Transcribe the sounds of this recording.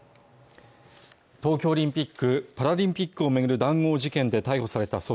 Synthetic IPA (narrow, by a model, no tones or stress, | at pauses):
t̪o̞ːkʲo̞ːɾʲĩmpʲikːɯ̟paɾaɾʲĩmpʲikːɯ̟o̞me̞ɡɯ̟ɾɯ̟d̪ãŋ̃ːo̞ːʑikẽ̞nd̪e̞t̪aiho̞saɾe̞t̪aso